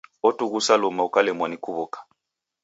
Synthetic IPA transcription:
ɔtuɣusalɔmaukalɛmwanikʰuβɔkḁ

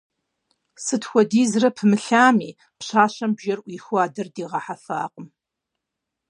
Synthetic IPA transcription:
sɨtxʷɔdiːzrɐpʰɨmɨɬaːmiː | pɕaːɕɐmbʒɐrʔʷiːxʷaːdɐrdiːʁɑħafa̰ːqʼəm

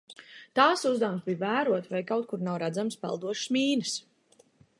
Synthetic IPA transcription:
t̪aːsuzd̪aw̃msbijvæːɾuɔt̪vajkawt̪̚kuɾnawɾæd̪zamspɛ̰lˠd̪uɔʃsmiːnɨs

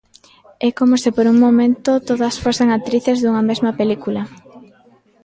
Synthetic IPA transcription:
ɛkomosɪpoɾuŋmomẽnt̪ot̪oðɐsfoseŋat̪ɾiθezðuŋɐmezmɐpelikulɐ

